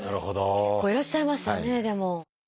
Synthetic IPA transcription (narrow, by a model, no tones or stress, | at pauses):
naɾɯ̟hod̪oekːoːiɾaɕːaimaɕɨ̥ane̞d̪e̞mo̞